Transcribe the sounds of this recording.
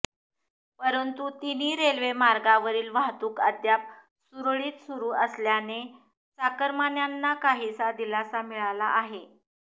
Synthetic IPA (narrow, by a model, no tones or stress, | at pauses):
pəɾənt̪ut̪iniːɾelʋemaɾɡaʋəɾiːlʋaɦt̪uːkəd̪jap̚ | suɾɭiːt̪suɾuːəsljane | t͡sakəɾmanjanːakaɦiːsad̪ilasamiɭalaʔaɦe